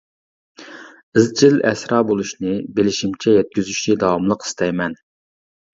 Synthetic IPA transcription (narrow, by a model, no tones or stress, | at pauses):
ɪzt͡ʃʰilɛ̰sɾɑːbolˠuʃnɪbelɪʃimt͡ʃʰɛjɛt̪̚kʲyzyʃt͡ʃɪd̪ɑwɑmlˠəqʰi̥st̪ɛjmɛn